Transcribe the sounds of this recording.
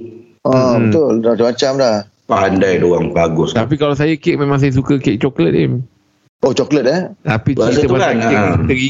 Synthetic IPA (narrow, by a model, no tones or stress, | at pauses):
ɔbət̪ʊlamat͡ʃamat͡ʃamlah | pandajdoaŋpaɡʊst̪ap̬ikalaws̬ajəkɪk̚mẽmãŋs̬ajəs̬ukəkeʔ̚t͡ʃɔklət̪̚ɪm | ot͡ʃɔklət̪̚ət̪apiitt̪əbaaəɡi